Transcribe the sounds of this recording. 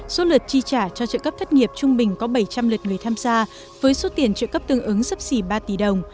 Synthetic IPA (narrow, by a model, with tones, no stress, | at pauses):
so˨˦lwə˨˩t̚t͡ɕi˧t͡ɕaː˧˩t͡ɕɔ˧t͡ɕə̰˧˨kə˦˥p̚t̪ʰt̚ŋi˨˩əp̚t͡ɕʊ˧ŋ͡mɓï˨˩ŋ̟kɔ˨˦ɓə˧˩jt͡ɕa˧mlɨ˨˩t̚ŋɨ˨˩əjt̪ʰaː˧mzaː˧ | vəː˨˦jso˨˦t̪i˨˩ənt͡ɕə̰˧˨kə˦˥p̚t̪ɨ˧əŋʔɨ˨˦ŋsə˦˥p̚si˧˩ɓaː˧t̪i˧˩ɗə˨˩wŋ͡m